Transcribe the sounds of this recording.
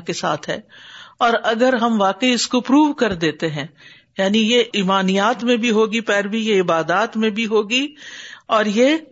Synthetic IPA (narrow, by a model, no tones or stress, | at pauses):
kesa̰ːt̪ʰɦɛ̰ːɔːɾɐɡəɾɦɐmʋaːkəiɪskopɾuːʋkɐɾd̪eːt̪eɦɛ̃ː | jaːnijeʔiːmaːnijaːt̪mẽbʱiɦoːɡipɛːɾbijeɪbaːd̪aːt̪mẽbʱiɦoːɡiɔːɾjeː